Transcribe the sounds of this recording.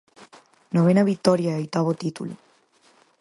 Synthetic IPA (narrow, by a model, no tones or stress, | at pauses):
noβenaβit̪oɾjaojt̪aβot̪it̪ṵlu